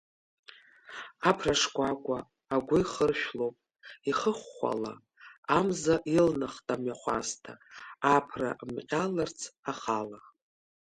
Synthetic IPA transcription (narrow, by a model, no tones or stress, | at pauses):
apʰraʂkʷakʷʼaː | ɡʷʊiχərʃᶣlopʼ | iχəχːʷa̰la̰ | amzaʔilnaχtʼamɥaχʷa̰stʰaapʰra̰ʔmqʲʼalart͡sʰaχala